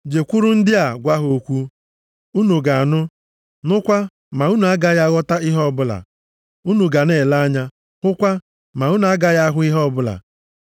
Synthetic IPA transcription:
d͡ʒe˨kʷu˦ɾʊ˦n̩˦dɪ˦a˨ɡʷa˦ɦo˨kʷu˦ | u˦nu˨ɡa˨nʊ˦ | nʊ˦kʷa˦ | ma˨u˦nu˨a˦ɡa˦ja˦ɣɔ˦ta˦ɪ˦ɦɔ˦˨bʊ˦la̰˨ | u˦nu˨ɡa˨ne˨la˦ɲa˦ | kʊ˦kʷa˦ | ma˨u˦nu˨a˦ɡa˦ja˦ɦʊ˦ɪ˦ɦɔ˦˨bʊ˦la̰˨

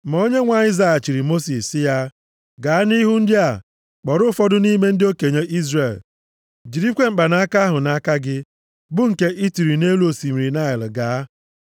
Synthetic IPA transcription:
ma˨o˦ɲe˦ŋʷa˨ɪ˦za˨a˨t͡ʃi˨ɾi˨mo˦si˨sːɪ˦ja˦ | ɡa˨a˦ni˦ɦu˦n̩˦dɪ˦a˨ | k͡pɔ˨ɾʊ˦fɔ˦dʊ˦ni˦me˦n̩˦dɪ˦o˦ke˨ɲe˦ʔi˦zre˨l | d͡ʒi˨ɾi˦kʷe˦ŋ͡m̩˨k͡pa˨na˦a˦ka˦a˦ɦʊ˨na˦ka˦ɡɪ˦ | bʊ˦ŋ̩˨ke˦ʔi˦ti˨ɾi˨ne˦lu˦o˨si˨mi˨ɾi˨na˦˨ɪ˨lɪ˨ɡa˨˦

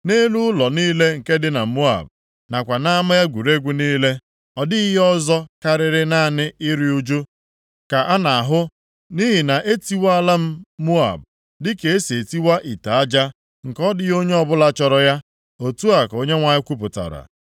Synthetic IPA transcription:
ne˦lu˦ʊ˦lɔ˨niː˦le˦ŋ̩˨ke˦dɪ˦na˨mu˦a̰˨b | na˨kʷa˨na˦a˦ma˦ja˦ɡʷu˨ɾe˦ɡʷu˦niː˦le˦ | ɔ˨dɪ˦ɦɔ˦zɔ˦ka˦ɾɪ˨ɾɪ˦na˦˨nɪ˦ɪ˦ɾi˦u˦d͡ʒo˦ | ka˨ʔa˦na˨a˨ɦʊ˦ | ni˦ɦi˨na˨ʔe˦ti˦wa˦a˦˨la˦m̩˦mu˦a̰˨b | dɪ˦ke˨e˦se˨ti˦wa˦ʔi˨ta˨a˦d͡ʒa˦ | ŋ̩˨kɔ˦dɪ˦jo˦ɲe˦ɔ˦bʊ˦la˦t͡ʃɔ˨ɾɔ˨ja˦ | o˨tu˦a˨ko˦ɲe˦ŋʷa˨ɲɪ˦kʷu˦pʊ˨ta̰˨ɾa̰˨

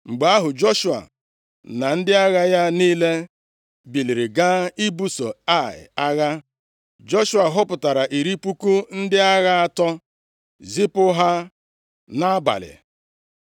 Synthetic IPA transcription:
ŋ͡m̩˨ɡ͡ba˦ɦʊ˨d͡ʒɔ˦ʃu˨a̰˨ | na˨n̩˦dɪ˦a˦ɣa˦ja˦niː˦le˦ | bi˨li˨ɾi˨ɡa˦i˦bu˦so˨a˦˨ɪ̰˨a˦ɣa˦ | d͡ʒɔ˦ʃu˦a˨ɦʊ˦pʊ˨ta˨ɾa˨ʔi˨ɾi˦pu˦ku˦n̩˦dɪ˦a˦ɣa˦a˦tɔ˦ | zi˦pʊ˦ɦa˦ | na˦a˦ba̰˨lɪ̰˨

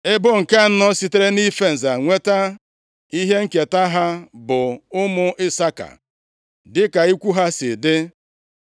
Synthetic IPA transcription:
ɪ˦bʊ˦ŋ̩˨ka˦n̩˦nɔ˦si˦te˦ɾe˦ni˦fe˨n̩˨za˨ŋʷe˦ta˦ | i˦ɦe˦ŋ̩˦ke˨ta˦ɦa˦bʊ˨ʊ˦mʊ˦ɪ˦sa˦ka̰˨ | dɪ˦ka˨i˦kʷu˦ɦa˦sɪ˨dɪ˦

